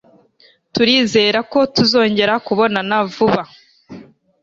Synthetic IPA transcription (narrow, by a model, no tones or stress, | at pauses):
tuɾiːze̞ːɾako̞tuzo̞ːɲɟe̞ɾakuβo̞nanavuβa